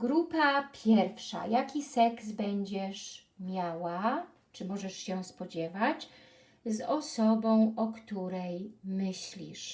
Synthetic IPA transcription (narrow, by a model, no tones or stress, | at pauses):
ɡɾupapʲʰjɛɾfʂa̰jakʲisɛksbɛɲd͡ʑɛʂ | mʲjawa | t͡ʂɘmɔʐɛʂɕɛspɔd͡ʑɛvat͡ɕ | zɔsɔbɔ̃w̃ɔkt̪uɾɛjmɘɕlʲḭʂ